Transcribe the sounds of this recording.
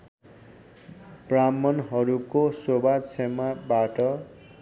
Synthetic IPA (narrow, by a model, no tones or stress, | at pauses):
bramʌnɦʌɾukosobad̪sʰemabaʈʌ